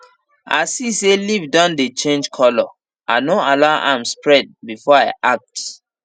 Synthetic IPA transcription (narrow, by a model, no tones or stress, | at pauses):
a̰siselivdãndet͡ʃẽnd͡ʒkʰɔlɔ | ʔanoalaʊʔãmspɹɛd̚bifɔaɪʔak̚t